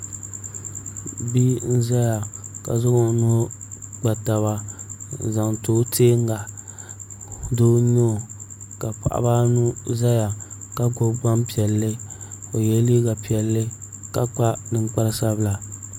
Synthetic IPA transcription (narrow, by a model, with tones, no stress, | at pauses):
bi˦n̩˦za˦ja˨ka̰˨zʊ˦ɡo˨˦nu˦ɡ͡ba˨ta˨βa˦˨ | za˨ŋ˨toː˦tʰeː˦ŋ˦ɡa˨ | doː˦no˦˨ | ka˨pa̰˨ʔa̰˦ba˦nu˦za˦ja˨ka˦ɡo˦ɡ͡ba˦mpi˨ɛ˨lːɨ˦o˨jɛ˦li˦ɡa˨pi˨ɛ˨lːɨ˦ | ka˦k͡pa˦nɨ˨ŋ͡mk͡pa˦lsa˦bɨ˦la˨